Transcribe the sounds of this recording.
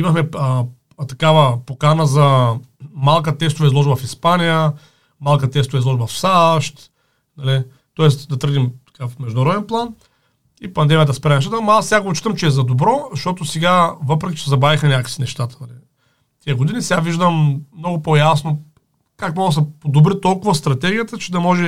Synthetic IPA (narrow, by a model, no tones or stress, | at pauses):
imɐxmɛə | t̪ɐkavəpokanəzɐ | malˠkət̪ɛst̪ovɐizlˠɔʒbɐfispanijə | malˠkət̪ɛst̪ovɐizlˠɔʒbɐfsaʃt̪ | d̪ɐli | t̪ɔɛsd̪ɐt̪əɾɡ̪imt̪ɐ̥kafmɛʒd̪ʊnɾɔd̪ɛnplˠan | ipɐnd̪ɛmʲiət̪ɐspɾaɛnʃt̪at̪əmasɛɡaɡot͡ʃi̥t̪ɐmt͡ʃɛːzɐd̪obɾɔzɐʃt̪ɔt̪osɛɡavɤpɾɛkʲit͡ʃɛsɛzɐbɾavixmɛnʲakə̥sinɛʃt̪at̪ə̥d̪ɐlḭ | t̪iəɡod̪inisɛɡaviʒd̪əmːnɔɡʊpojasno | kakmɔɡ̪s̬ɐpod̪obɾit̪ɔlˠkʊvɐst̪ɾɐt̪ɛɡʲijət̪ət͡ʃɛd̪ɐmɔʒɛ